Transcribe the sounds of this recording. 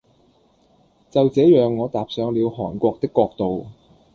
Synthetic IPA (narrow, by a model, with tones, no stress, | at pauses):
t͡sɐ˨wt͡sɛː˨˥jœː˨ŋːɔː˨˧t̪aː˨˩p̚sœː˨˧ŋliː˨˧wɦɔː˨˩nkʷɔː˧k̚t̪ɪ˥kːɔː˧k̚t̪o˨w